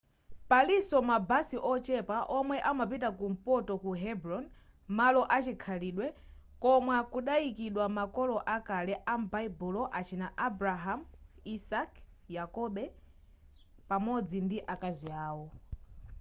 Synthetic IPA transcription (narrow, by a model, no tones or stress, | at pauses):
palisɔmabasiʔɔt͡ʃɛpaʔɔmwɛʔamapitakum̩pɔtɔkuɦɛbɾɔn | malɔʔat͡ʃikʰaliːɗwɛ | kɔmwakuɗaikiɗwamakɔlɔʔakalɛʔam̩baibulɔʔat͡ʃʰinaʔabɾaɦamisak | jakɔɓɛ | pamɔd͡zindiʔakaziaːwɔ